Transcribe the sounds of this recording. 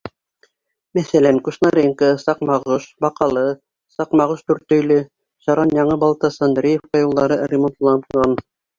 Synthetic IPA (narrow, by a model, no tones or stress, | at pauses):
mæθælæŋkuʃnɑɾʲeŋkɤsɑqmɑʁuʃbɑqɑlˠɤ | sɑqmɑʁuʃt̪ʉɾt̪ɵ̆jlɵ | ʃɑɾɑnjɑɴɤbɑlˠt̪ɑsɑnd̪ɾʲejefqɑjulˠd̪ɑɾɤrʲɪmont̪lˠɑnɑn